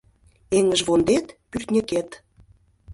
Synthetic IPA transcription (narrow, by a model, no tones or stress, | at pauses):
eŋəʒβond̪et̪pyrt̪nʲə̆ket̪